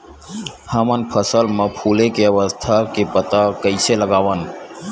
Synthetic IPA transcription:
həmənpʰəsəlmə̃pʰuːlekeəʋəst̪ʰakepət̪akəɪseləɡaːʋən

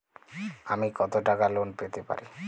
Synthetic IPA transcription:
amikɔt̪oʈakalonpet̪epa̰ɾi

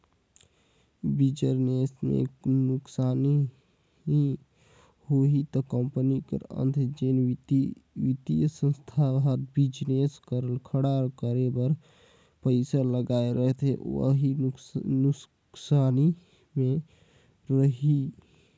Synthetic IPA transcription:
bid͡ʒəɾnesmḛnʊksani | i | hoɦit̪ɔkəmpənikə̰ɾə̰nt̪ʰd͡ʒen | ʋit̪ijəsə̃nst̪ʰabɦaɾbid͡ʒneskəɾəlkʰəɽaɾkəɾebəɾ | pəɪsaləɡaeɾəɦt̪eə̰ɦinu | ksani | me | ɾəɦi

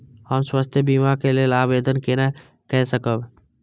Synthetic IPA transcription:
həmswəst̪ʰjəbimakeleːlaːbeːd̪ənkenə | kɛɦsəkəb

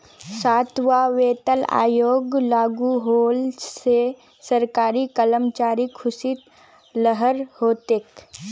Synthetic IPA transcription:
saːt̪ʋaːʋeːt̪əla̰ːjoːɡlaːɡuɦoːlse | səɾkaːɾikələmt͡ʃaːɾikʰʊsit̪ | ləɦəɾhoːt̪eːk

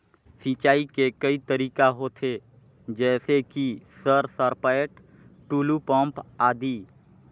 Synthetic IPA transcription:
sit͡ʃaːikekɐit̪əɾiːkaɦot̪ʰe | d͡ʒɛːsekisəɾsəɾpəeʈ | ʈuːlupə̃mpaːd̪iː

